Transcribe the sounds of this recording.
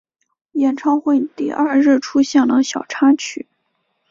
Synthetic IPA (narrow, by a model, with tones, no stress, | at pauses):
jɛ˨˩nʈ͡ʂʰɑ˥ŋxwe˥˩ɪt̪i˥˧ʔa˥˧ɻɻ̩˥˩ʈ͡ʂʰu˥ɕjɛ˥˩nlə˩ɕjɑ˨˩ʊʈ͡ʂʰa˥nt͡ɕʰy˨˩˦